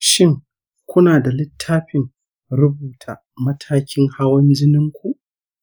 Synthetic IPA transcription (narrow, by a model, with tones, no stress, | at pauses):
ʃɪ˦ŋ | kʷʊ˦naː˨da˨lɪ˦tʰːaː˦ɸɪ˨ŋ | ɾʊ˦buː˨tʰa˨ | mɐ˦tʰaː˦kʲɪ˦ŋha˦wɐ˦nd͡ʒɪ˦nɪ˦ŋkʷu˨ʔ